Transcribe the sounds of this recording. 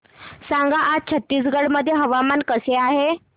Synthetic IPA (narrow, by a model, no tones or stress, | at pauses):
saŋɡaʔat͡ɕʰət̪ːiːs̬ɡəɽməd̪ʱːjeɦəʋamankəseaɦe